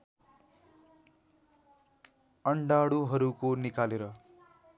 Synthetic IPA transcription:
ʌɳɖaɽuɦʌɾukonikaleɾʌ

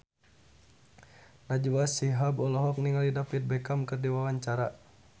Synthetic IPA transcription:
nad͡ʒuwasiɦabɔlɔɦɔk̚niŋalidapit̪̚bɛkamkɨrdiwawaɲt͡ʃaɾa

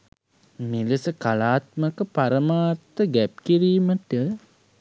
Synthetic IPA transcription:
miləsəkalaːt̪məkəpaɾəmaːt̪ːəɡæp̚kiɾiːməʈə

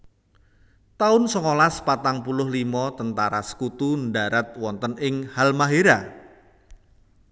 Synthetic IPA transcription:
t̪aʊnsɔŋolaspat̪aŋpulʊhlimɔt̪ənt̪aɾa̰sə̥kut̪unɖaɾat̪̚wɔnt̪ənɪŋhalmaɦeɾa

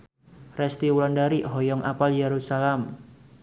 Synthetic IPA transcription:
rɛst̪iwulɔndaɾiɦɔjɔŋʔapaljeɾusalɛm

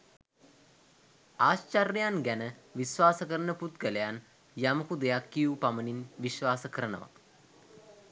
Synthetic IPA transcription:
aːst͡ʃarːjjanɡænəʋiʃʋaːsəkəɾənəput̪ɡəlejan | jaməkud̪ejakːijupaməninʋiʃʋaːsəkəɾənə̰ʋa̰t̪

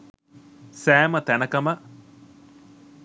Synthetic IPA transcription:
sæːmət̪ænəkɐmə

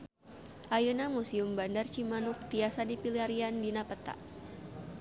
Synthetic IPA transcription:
ʔajunamusiumbandart͡ʃimanʊk̚t̪iasadipiliaɾiandinapət̪a̰ʔ

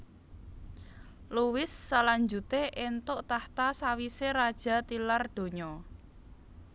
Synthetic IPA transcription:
luwɪsːalaɲd͡ʒut̪eʔent̪ʊʔt̪aht̪asawiseɾad̥ʒ̥a̤t̪ilard̪̥o̤ɲɔ

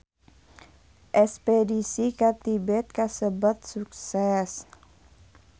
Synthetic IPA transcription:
ʔɛspedisikat̪ibɛt̪̚kasəbat̪̚suk̚sɛs

